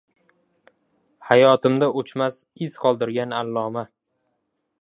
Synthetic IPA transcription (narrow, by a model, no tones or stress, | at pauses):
hajɒt̪ʰɪmd̪aʔot͡ʃmasɪz̥qʰɒlˠd̪ɪɾɡʲanalːɒma